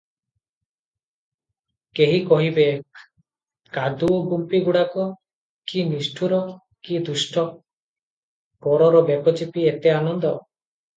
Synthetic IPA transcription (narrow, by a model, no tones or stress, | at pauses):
keɦikɔɦibe | kad̪uoɡumpiɡuɽakɔ | kinisʈʰuɾɔ | kid̪usʈʰɔ | pɔɾɔɾɔbepɔt͡ʃipiet̪eanɔnd̪ɔ